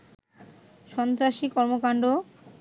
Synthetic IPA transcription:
ʃɔnt̪ɾaʃikɔɾmokaɳɖo

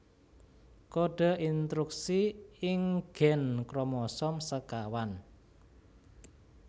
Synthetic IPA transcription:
koɖ̥a̤ʔint̪ɾuksiɪŋɡ̥ɛ̤nkɾɔmɔsɔmsəkawan

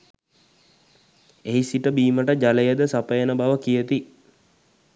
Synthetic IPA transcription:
eɦisiʈəbiːməʈəd͡ʒalejəd̪əsapəjənəbaʋəkijət̪i

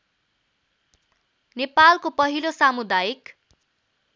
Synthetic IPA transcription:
nepalkopʌɦilosamud̪ajik

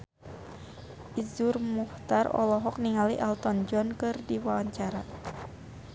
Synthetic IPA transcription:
ʔizurmuht̪arɔ̰lɔɦɔk̚niŋaliʔalt̪ɔnd͡ʒɔnkɨrdiwawaɲt͡ʃaɾa

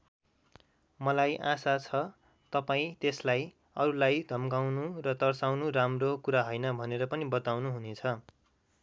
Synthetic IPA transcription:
mʌlajʔãsat͡sʰʌ | t̪ʌpaĩt̪eslaj | ʌɾulajd̪ʱʌmɡawnurʌt̪ʌrsawnuramrokuɾaɦojnʌbʱʌneɾʌpʌnibʌt̪awnuɦunet͡sʰʌ

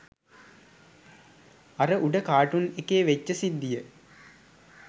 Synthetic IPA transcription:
ɐɾəʔuɖəkaːʈunekeːʋet͡ʃːəsid̪ːijə

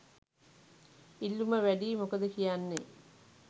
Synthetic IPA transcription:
ilːuməʋæɖiːmokəd̪əkijanːe

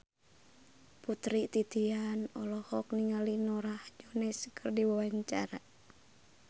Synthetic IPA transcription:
put̪ɾit̪it̪ianɔlɔhɔkniŋalinɔɾahd͡ʒɔnɛskʰərdiwawaɲt͡ʃaɾa

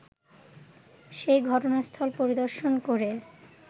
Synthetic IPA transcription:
ʃejɡʱɔʈonast̪ʰɔlpoɾid̪oɾʃonkoɾe

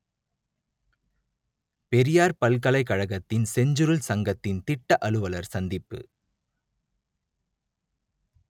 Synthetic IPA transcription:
pɛɾɪjaːɾpɐlkɐlɐɪkːɐɻɐɣɐt̪ːɪnsɛɲd͡ʒɯɾɯlsɐŋɡɐt̪ːɪnt̪ɪʈːɐʔɐɭɯʋɐlɐɾsɐnd̪ɪpːɯ̰

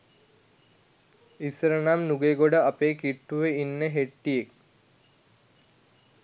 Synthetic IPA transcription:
isɾənamnuɡeɡoɽəapeːkiʈːuʋeinːəɦeʈːijek̚

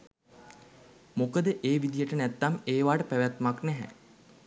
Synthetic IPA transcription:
mokəd̪əʔeːʋid̪ijəʈənæt̪ːameːʋaːʈəpæʋæt̪maknɛɦɛ̰

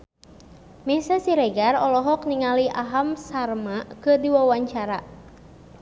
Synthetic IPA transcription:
misasiɾɛɡarɔlɔɦɔkniŋaliʔaɦamsarmakɨdiwawaɲt͡ʃaɾa

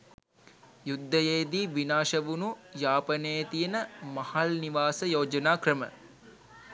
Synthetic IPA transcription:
jud̪ʱːəjeːd̪iːʋinaːʃɐʋunujaːpɐnejət̪ijənəmɐhɐlniʋaːsəjoːd͡ʒɐnaːkrəmə̰

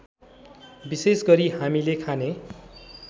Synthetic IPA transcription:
bisesɡʌɾihamilekʰane

